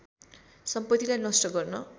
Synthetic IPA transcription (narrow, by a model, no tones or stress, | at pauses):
sʌmpʌt̪ːilajnʌsʈʌɡʌrnʌ